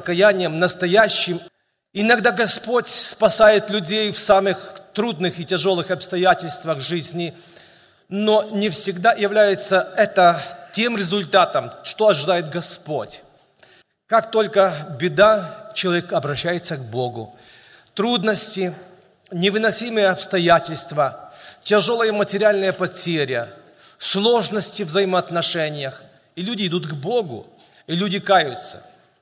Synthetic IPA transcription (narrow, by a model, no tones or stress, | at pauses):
əkɐjænʲɪjəmnəst̪ɐjæɕːɪm | ɪnɐɡd̪aɡɐspo̞tʲspɐsajɪt̪lʲʉdʲejfsamɨxt̪ɾud̪nɨxɪtʲɪʐo̞lˠɨxɐpst̪ɐjætʲɪlʲst̪vəɣʐɨzʲnʲɪ | nonʲɪfsʲɪɡd̪ajɪvlʲæjɪt̪səɛt̪ətʲe̞mɾʲɪzʊlʲt̪at̪əmʂt̪oɐʐɨd̪ajɪt̪ɡɐspo̞tʲ | kakt̪o̞lʲkəbʲɪd̪at͡ɕɪlˠɐvʲekɐbɾɐɕːæjɪt̪səɡ̚bo̞ɡʊ̰ | t̪ɾud̪nəsʲtʲɪ | nʲɪvɨnɐsʲimɨjəɐpst̪ɐjatʲɪlʲst̪vətʲɐʐo̞lˠəjəmətʲɪɾʲɪalʲnəjəpɐtʲeɾʲɪə | slˠo̞ʐnəsʲtʲɪvzəjɪmɐːt̪nɐʂɛnʲɪjəx | ilʲudʲɪːd̪ut̪ɡboɡʊ̰ | ilʲudʲɪkajʊt̪sə̥̰